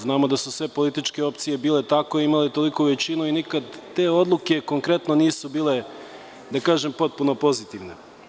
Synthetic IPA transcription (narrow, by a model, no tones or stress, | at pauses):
znaːmod̪asusʋe̞po̞lit̪it͡ʃke̞o̞p̚t̪sijebiːle̞t̪akoimalet̪o̞likoʋet͡ɕinuinikad̪ːe̞ːo̞d̪lˠukʲe̞ko̞ŋkɾe̞t̪noniːsubiːle̞ | d̪akaːʒempo̞t̪̚puno̞po̞zit̪iʋne